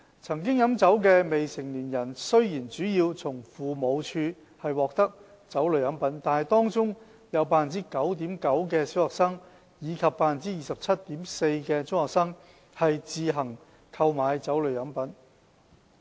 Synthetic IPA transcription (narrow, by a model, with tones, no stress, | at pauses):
t͡sʰɐ˨˩ŋk̬ɪ˥ŋjɐ˨˥mt͡sɐ˨˥wkɛː˧me˨jsɪ˨˩ŋliː˨˩njɐ˨˩nsɵ˥ɥjiː˨˩nt͡syː˨˥jiː˧wt͡sʰʊ˨˩ŋfuː˨mo˨˧wt͡ʃʰyː˧ | hɐ˨jwɔː˨k̚t̪ɐ˥k̚ | t͡sɐ˨˥wlɵ˨˧ɥjɐ˨˥npɐ˨˥nt̪aː˨nhɐ˨jt̪ɔː˥ŋt͡sʊ˥ŋ | jɐ˨˧wpaː˧˨nt͡siː˥kɐ˨˥wt̪̬iː˨˥mkɐ˨˥wkɛː˧siː˨˥whɔː˨k̚sɐː˥ŋ | jiː˨˧kʰɐ˨p̚ːaː˧fɐ˨nt͡siː˥jiː˨sɐ˨p̚t͡sʰɐ˥t̚t̪ːiː˨˥mse˧jkɛː˧t͡sʊ˥ŋhɔː˨˩ksɐː˥ŋ | hɐ˨jt͡siː˨˧ɦɐ˨˩ŋ | kʰɐ˧wmaː˨˧jt͡sɐ˨˥wlɵ˨˧ɥjɐ˨˥npɐ˨˥n